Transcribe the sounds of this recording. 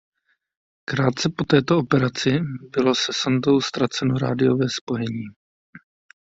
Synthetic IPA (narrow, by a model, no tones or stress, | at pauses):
kɾaːt̪̚t͡sɛpo̞t̪ɛːt̪o̞opɛɾat͡sɪbɪlo̞sɛsant̪o̞wst̪ɾat͡sɛnoɾa̰ːdɪjo̞vɛːspo̞jɛɲiː